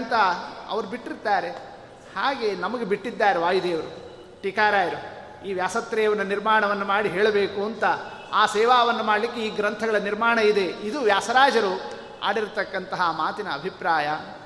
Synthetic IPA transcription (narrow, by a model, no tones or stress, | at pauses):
nt̪ɐɐ̰ʋɐɾubiʈːiɾt̪aːɾe̞ | haːɡe̞nɐmɐɡe̞biʈːid̪ːaːɾeʋaːjud̪eːʋɐɾu | ʈikaːɾaːjiɾu | iːʋjaːsɐt̪ɾɛːjɐʋɐnːɐniɾmaːɳɐʋɐnːumaːɽiɦeːɭɐbeːkuɐnt̪ɐ | aːsɛːʋaːʋɐnːumaːɽlikːeiːɡɾɐnt̪ʰɐɡɐɭɐniɾmaːɳɐid̪e̞id̪uʋjaːsɐɾaːd͡ʒɐɾu | a̰ːɽiɾt̪ɐkːɐnt̪ɐɦɐmaːt̪inɐːbʱipɾaːjɐ